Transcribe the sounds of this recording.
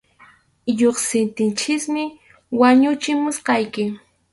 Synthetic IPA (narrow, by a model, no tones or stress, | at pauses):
ʎoχsɪnt̪ɪnt͡ʃɪkmɪ | waɲʊt͡ʃɪmʊsqɑjkɪ